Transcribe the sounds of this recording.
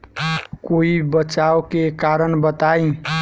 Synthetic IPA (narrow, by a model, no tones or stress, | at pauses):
koibət͡ʃaokekaɾənbət̪aĩ